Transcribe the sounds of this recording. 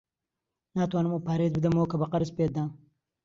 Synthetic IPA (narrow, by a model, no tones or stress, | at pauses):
naːt̪waːnəmupaːɾezbɨd̪ɐmokɐbɐqɐɾspeːt̪̚d̪ãː